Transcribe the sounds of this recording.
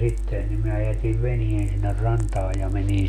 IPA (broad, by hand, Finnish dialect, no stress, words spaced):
sitːen nim mæː jætiʋ ʋenien sinːer rɑntɑː jɑ menin